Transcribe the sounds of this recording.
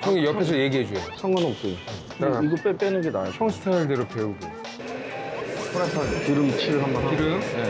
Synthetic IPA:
t͡ɕʰʌŋijʌpʰes̬ʰʌje̞ɡiɦed͡ʑuejsʰʌŋʌnop̚k͈ɯ | taaiɡɯp͈ep͈enɯɡena̰joɕʰʌŋsʰɯ̥tʰaɭdeɾope̞uɡe | pʰɯɾatʰatɯɾɯmt͡ɕʰiɯɭɦambʌnɦiɾɯe

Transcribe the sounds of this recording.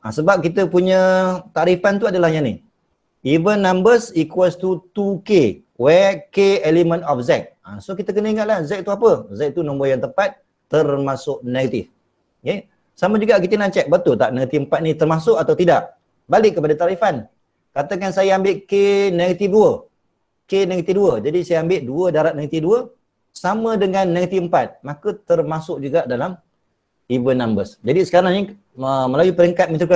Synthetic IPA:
a̰səbap̚kit̪əpuɲə̃t̪aɾifant̪uadalahɲanḭ | ivənːambəsikwɛst̪ut̪uke | wɛkeɛlimə̃nɔfzɛk̚a̰sokit̪əkənəiŋat̪̚lahzɛʔ̚t̪uapəzɛk̚t̪unɔ̃mbojaŋt̪əpat̪̚ː | ərmasʊʔneɡat̪ḭf | je | samad͡ʒuɡaʔkit̪ənat͡ʃɛk̚bət̪ʊlt̪aʔnəɡət̪iəmpat̪̚nit̪ərmasʊkat̪awt̪idaʔ | balɪkːəpadat̪aɾifan | kat̪əkansajaambɪʔkeneɡət̪iduə | kenəɡət̪iduəd͡ʒadisajaambɪʔduədaɾaʔ̪̚nəɡət̪iduə | samə̃dəŋanːəɡət̪iəmpat̪̚makət̪ərmasʊk̚d͡ʒuɡaʔdalam | ivənambəsd͡ʒadisə̥kaɾaŋni | əməlawipəɾiəŋkat̪̚mit̪uka

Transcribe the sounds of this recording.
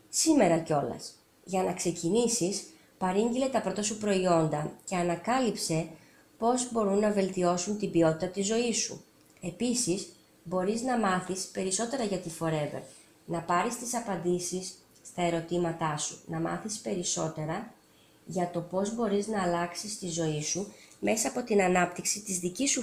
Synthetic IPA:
sime̞ɾɐco̞lɐ̰s | ʝɐnɐkse̞cinisis | pɐɾiɲɟile̞t̪ɐpɾo̞t̪ɐsupɾo̞io̞nd̪ɐce̞ɐnɐkɐlipse̞ | po̞zbo̞ɾunːɐve̞lt̪io̞sunt̪ibio̞t̪it̪ɐt̪izo̞isṵ | e̞pisis | bo̞ɾiznɐmɐθispe̞ɾiso̞t̪e̞ɾɐʝɐt̪ifo̞ɾe̞vḛɾ | nɐpɐɾist̪isɐpɐnd̪isisː | t̪ɐe̞ɾo̞t̪imɐt̪ɐsunɐmɐ̰θispe̞ɾiso̞t̪e̞ɾɐ | ʝɐt̪o̞po̞zbo̞ɾiznɐːlɐksist̪izo̞isume̞sɐːpo̞t̪inɐnɐp̚t̪iksit̪izðicisu

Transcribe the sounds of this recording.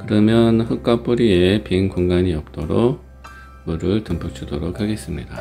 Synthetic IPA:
kɯɾʌmjʌnɸɯk̚k͈ap͈uɾiepinkoŋɡaɲiʌp̚t͈oɾoɡ | muɾɯɭtɯmpʰuk̚t͡ɕʰudoɾokʰaɡe̞s͈ɯmɲida

